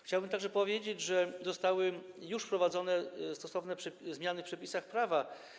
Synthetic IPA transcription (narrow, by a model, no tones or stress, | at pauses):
xt͡ɕawbɘmt̪aɡʐɛpɔvʲjed͡ʑed͡ʑʐɛzɔst̪awɘjuʂpɾɔvad̪zɔnɛst̪ɔsɔvnɛpʂɛzmʲjanɘfpʂɛpʲisaxpɾava